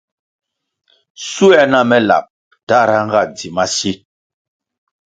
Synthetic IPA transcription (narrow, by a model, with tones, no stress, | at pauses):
su˦ɛ˦˨na˦mɛ˦la̰˨p̚ | ta˦˨ɾa˦ŋ˦ɡa˦˨d͡zi˨ma˦si˦